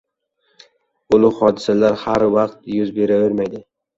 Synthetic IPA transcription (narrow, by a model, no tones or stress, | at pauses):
ʊlˠʊχɒːd̪ɪsalaɾhaɾwɑqt̪jʊzbeɾavɪɾmajd̪ɪ